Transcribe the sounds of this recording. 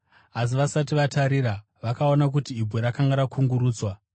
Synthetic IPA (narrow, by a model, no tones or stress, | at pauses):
as̬iʋasatiʋataɾiɾa | ʋakao̞nak̬utiibʱeɾakaŋɡaɾakʰuŋɡuɾuːd͡zwa